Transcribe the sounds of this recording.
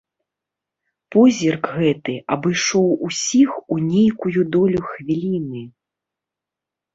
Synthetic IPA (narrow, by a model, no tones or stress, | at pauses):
pɔzʲirkɣɛt̪ɨɐbɨjʂɔwusʲixunʲejkujud̪ɔlʲuxvʲilʲinɨ